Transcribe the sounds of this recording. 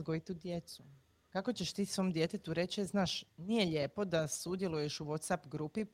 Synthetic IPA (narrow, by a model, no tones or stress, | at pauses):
ɡoit̪ud̪jet̪su | kako̞t͡ɕeʃt̪iːsʋomd̪je̞t̪e̞t̪uɾe̞t͡ɕeznaːʃnijeʎe̞ːpo̞d̪asud̪je̞lˠujeʃuʋot̪sapɡɾupi